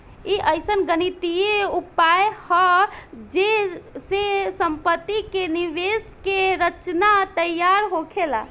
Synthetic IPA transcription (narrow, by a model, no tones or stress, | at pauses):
iʔəjsənɡənit̪ijeupajhəd͡ʒesesəmpət̪ːikeniʋeskeɾət͡ʃnat̪əjaɾɦokʰela